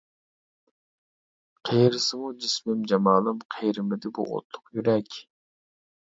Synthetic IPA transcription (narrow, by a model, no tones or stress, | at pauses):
qʰejɾɪsɪmud͡ʒismɪmd͡ʒɑmɑːlˠɨmqʰejɾɪmɪd̪ɪbṵʔo̰t̪ʰːʊ̥qjyɾɛkʲ